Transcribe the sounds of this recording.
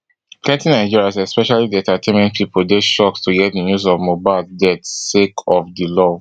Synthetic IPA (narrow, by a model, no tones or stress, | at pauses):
kɛ̃ntĩnaɪd͡ʒiɹiazɛspɛʃalidiɛ̃ntatʰẽmɛ̃nt̚pʰipʰoldeʃɔkstuɡɛt̚dənjuzɔvmobaɪldɛtsekʰɔfdilɔ